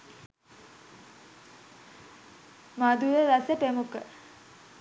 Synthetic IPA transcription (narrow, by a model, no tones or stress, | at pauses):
mad̪ujeʋasəpemukə